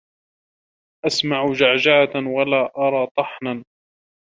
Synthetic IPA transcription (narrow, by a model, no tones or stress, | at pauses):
ʔasmaʕʊd͡ʒaʕd͡ʒaːt̪walaːʔɑɾˤɑːt̪ˤɑħnan